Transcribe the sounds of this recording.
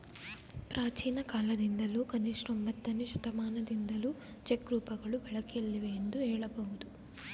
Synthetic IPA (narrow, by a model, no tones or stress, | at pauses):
pɾʔaːt͡ʃiːnɐkaːlɐd̪ind̪ɐlukɐniʂɾombɐt̪ːɐniʃut̪ɐmaːnɐd̪ind̪ɐlu | t͡ʃekɾuːpɐɡɐɭubɐɭɐkelːiʋeːnd̪uɛːɭɐbowud̪u